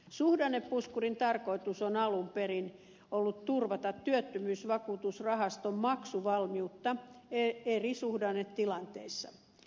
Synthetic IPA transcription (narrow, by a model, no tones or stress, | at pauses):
suhdɑnepːuskurint̪ɑrkoit̪usonɑlumperin | olːut̪t̪urʋɑt̪ɑt̪tyøt̪ːymyːsʋɑkuːt̪usrɑhɑst̪ommɑksuʋɑlmiut̪ːɑeerisuhdɑnettilɑnt̪eisːɑ̰